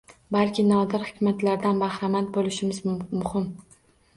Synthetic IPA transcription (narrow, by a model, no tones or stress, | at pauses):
balˠkʲɪnɒd̪ɪɾhɪ̥kʲmat̪laɾd̪anbahɾamat̪̚bolɪʃɪmɪzmʊhɪm